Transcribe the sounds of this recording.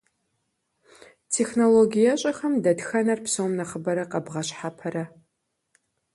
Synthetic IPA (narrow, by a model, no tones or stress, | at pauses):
tʰeːxnoloɡʲijɐɕʼɐxɐmdɐdxɐnɐrpsowmnɐχəbɐɾɐqɐbʁɐɕħapʰɐɾɐ